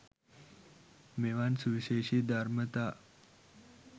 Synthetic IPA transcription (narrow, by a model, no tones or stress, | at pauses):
meʋansuʋiɕeɕiːd̪ʱaɾmət̪a